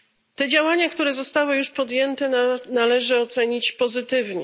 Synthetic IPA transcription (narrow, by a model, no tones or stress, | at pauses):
t̪ɛd͡ʑawaɲakt̪uɾɛzɔst̪awɘjuʂpɔd̪jɛnt̪ɛnalɛʐɘɔt̪sɛɲit͡ɕpɔzɘt̪ɘvɲɛ